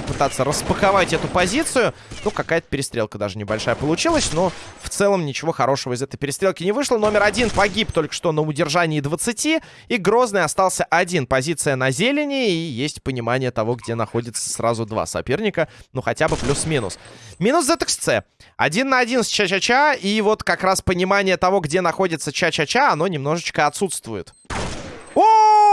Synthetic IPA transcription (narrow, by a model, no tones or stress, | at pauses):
pɨt̪at̪sːəɾəspəxɐvatʲɛt̪ʊpɐzʲit̪sɨjʊnukɐkajət̪əpʲɪɾʲɪst̪ɾʲe̞lˠkəd̪aʐɨnʲɪbɐlʲʂajəpəlˠʊt͡ɕilˠəsʲno̞ft̪sɛlˠəmnʲɪt͡ɕɪvo̞xɐɾo̞ʂəvəɪzɛt̪əjpʲɪɾʲɪst̪ɾʲe̞lˠkʲɪnʲɪvɨʂlˠəno̞mʲɪɾɐdʲinpɐɡʲip̚t̪o̞lʲkə̥ʂt̪onəʊdʲɪrʐanʲɪːd̪vət̪sɨtʲi | iɡɾo̞znɨjɐst̪ɑlˠsʲəʔɐdʲinpɐzʲit̪sɨjənɐzʲelʲɪnʲɪːjesʲtʲpənʲɪmanʲɪjət̪ɐvo̞ɡdʲe̞nɐxo̞dʲɪt̪sə̥sra̰zʊd̪va̰sɐ̰pʲe̞rnʲɪkənuxɐtʲabɨplʲusmʲinʊ̰smʲinʊszɛt̪əkst̪sɛ̰ɐ̰dʲinːəɐdʲinst͡ɕat͡ɕat͡ɕaivo̞t̪kɐkɾaspənʲɪmanʲɪjət̪ɐvo̞ɡdʲe̞nɐxo̞dʲɪt̪sət͡ɕat͡ɕat͡ɕaɐno̞nʲɪmno̞ʐɨt͡ɕkəɐt̪sut̪st̪vʊjɪ̰t̪ | o